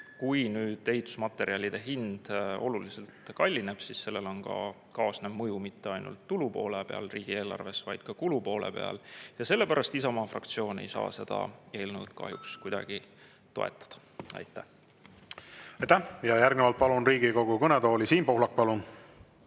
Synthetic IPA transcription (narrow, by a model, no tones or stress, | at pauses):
kujnyːd̪̥e̞ɦit̪ːˑu̥smɑt̪ːˑe̞ɾiɑlʲid̪̥e̞ɦind̪̥o̞̰lulise̞lt̪kɑlʲːine̞b̥sisse̞lːe̞lo̞nkɑ̰ | kɑːsnebmɤjumit̪ːe̞ɑjnṵlt̪ːulupo̞ːlepe̞̰ɑ̰lriːɡ̥ie̞ːlɑ̰rve̞svɑjd̪̥kɑkulupo̞ːle̞̰pe̞̰ɑ̰ljɑse̞lːe̞pæɾɑst̪isɑmɑːfrɑ̰kt̪sio̞ːne̞̰jsɑ̰ːse̞d̪̥ɑ̰e̞ːlnud̪̥kɑ̰ɦjukskujd̪̥ɑ̰ɡ̥i | t̪o̞̰ḛt̪ːˑɑ̥d̪̥ɑ̥ | ɑ̰jt̪ːˑæh | ɑjt̪ːæhjɑjærɡnevɑlt̪̚pɑlunriːɡ̥iko̞ɡ̥ukɤnet̪o̞ːlisiːnpohlɑk̚pɑlun